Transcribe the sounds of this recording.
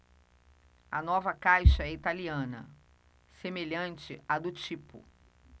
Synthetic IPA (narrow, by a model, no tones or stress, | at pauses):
ɐnɔvɐkajʃɐɛit̪aliɐ̃nɐ̰ | semeʎɐ̃nt͡ʃɪɐd̪ʊt͡ʃipʊ̰